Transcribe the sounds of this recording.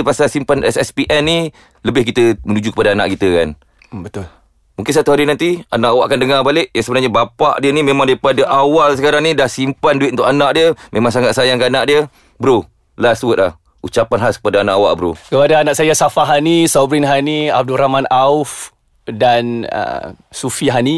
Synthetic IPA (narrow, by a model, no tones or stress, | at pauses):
pasasimpanɛ̰sɛspiʔɛnːi | ləbɪhkit̪əmənud͡ʒukə̥padaana̰ʔkit̪əkan | bət̪ʊl | muŋkɪnsat̪uɦaɾinant̪ianaʔawaʔkandəŋarbalɪʔ̚jaŋsəbənarɲabapa̰ʔdiənimemaŋdaipadaʔawals̬əkaɾaŋnidahsimpandut̪̚unt̪ʊkanaʔdiəmʔemaŋsaŋat̪̚sajaŋkəanaʔdiə | bəɾu | lasuwət̪̚lah | ut͡ʃapanɦaskə̥padaanaʔawa̰ʔbəɾṵkəpadaːnaʔsajasafaɦanisɔbɾɪnɦania̰b̚dulɾamanaʊf | danə̰sufiɦani